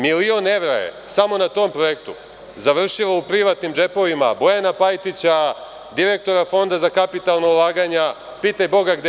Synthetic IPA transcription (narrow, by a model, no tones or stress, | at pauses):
milio̞nːe̞ʋɾa̰jḛsamo̞nat̪o̞ːmpɾo̞je̞kt̪ṵ | zaʋr̩ʃiʋaupɾiʋat̪nimd͡ʒe̞po̞ʋima̰bo̞janapajt̪it͡ɕa | d̪iɾe̞k̚t̪o̞ɾafo̞nd̪azakapit̪alˠnoulˠaːɡaɲa | pit̪ajbo̞ɡaɡd̪